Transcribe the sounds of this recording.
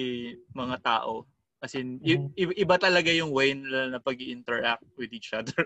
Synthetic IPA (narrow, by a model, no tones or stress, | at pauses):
mɐŋat̪a̰ːʔo | kɐsɛnɪʔɪʔɪbat̪ɐlɐɡajʊŋwɛjnɪlanɐpɐɡ̚iʔɪnt̪ɛɹʔak̚t̪̚wɪd̪iːt͡ʃʔɐd̪ɛɹ